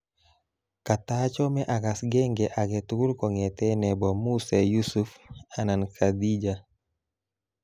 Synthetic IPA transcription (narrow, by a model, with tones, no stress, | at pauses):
ka˨t̪at͡ʃɔ˦mɛ˦ʔa˨ka˨sɡɛ˦ŋɡɛ˨ʔa˨ɡɛ˨tu˦ɡu˦ɾkɔ˨ŋɛ˨t̪ɛ˦nɛ˨bɔ˨mu˦se˨ju˦su˦fa˦na˨nkʰa˨d̪i˦d͡ʒa˦